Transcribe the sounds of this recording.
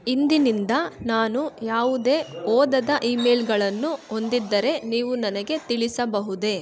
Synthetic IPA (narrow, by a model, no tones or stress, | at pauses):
ind̪inind̪ɐnaːnujaːʋud̪e̞ːɔːd̪ɐd̪ɐʔiːmeːlɡɐɭɐnːuo̞nd̪id̪ːɐɾe̞niːʋunɐnɐɡe̞t̪iɭisɐbɐɦud̪e̞